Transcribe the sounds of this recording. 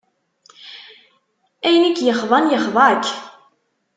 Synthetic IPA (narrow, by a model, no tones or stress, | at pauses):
æjənikːjəχðˤɑnjəχðˤɑk